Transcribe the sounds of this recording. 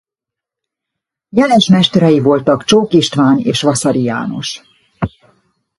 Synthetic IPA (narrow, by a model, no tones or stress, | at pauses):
jɛlɛʃmɛʃt̪ɛɾɛjivo̞lt̪ɒkt͡ʃoːkiʃt̪ʋaːnḛːʃʋɒsɒɾija̰ːno̞̰ʃ